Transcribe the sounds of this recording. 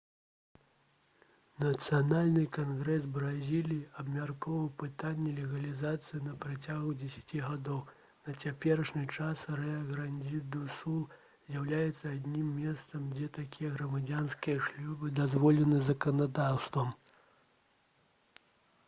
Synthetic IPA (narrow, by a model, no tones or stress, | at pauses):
nɐt̪sɨjanalʲnɨkanɣɾɛsbɾazʲilʲijiɐbmʲarkɔvɐwpɨt̪anʲːɛlʲɛɣɐlʲizat̪sɨjinɐpɾat͡sʲaɣud͡zʲɛsʲḁt͡sʲiɣad̪ɔw | nɐt͡sʲapʲɛɾɐʂnʲɨt͡ʂasrɛɐɣɾanʲd͡zʲid̪usulˠ | zʲjawlʲajɛt̪sːɐːd̪ʲnʲimːʲɛst̪sɐmd͡zʲɛt̪akʲʰijɛɣɾɐmad͡zʲanskʲijɐʂlʲɔbɨd̪azvɔlʲɛnɨzɐkɐnad̪awst̪vɐm